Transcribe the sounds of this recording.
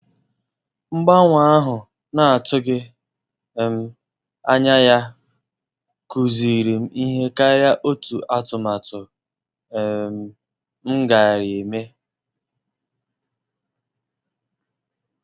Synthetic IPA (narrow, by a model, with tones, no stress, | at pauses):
ŋ͡m̩˦ɡ͡ba˦ŋʷa˦a˦ɦʊ˨ | na˨a˨tʊ˦ɡɪ˦˨ | m̩˦ | a˦ɲa˦ja˦ | ku˨zi˨ɾi˨m̩˦i˦ɦe˦ka˦ɾja˦ʔo˦tu˨ʔa˦tʊ˨ma˨tʊ˨˦ | m̩˦ɡa˨ɪ˨ɾɪ˨e˨me˦